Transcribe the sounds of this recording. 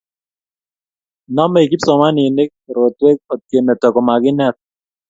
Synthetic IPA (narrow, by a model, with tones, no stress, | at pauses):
nɔ˦mɛ˦i˨ki˦psɔ˨ma˦ni˨nɪ˦k̚ɾo˨t̪we˦k̚ɔ˨t̪̚ke˨mɛ˨tɔ˨kɔ˨ma˨kɪ˦nɛ˦t̪̚